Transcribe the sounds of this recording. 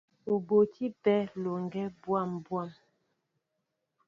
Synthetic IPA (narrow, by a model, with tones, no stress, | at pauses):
o˨bo˨tʰi˦pɛ˦lo˨ŋɡɛ˦bwa˦˨mbwa˦˨m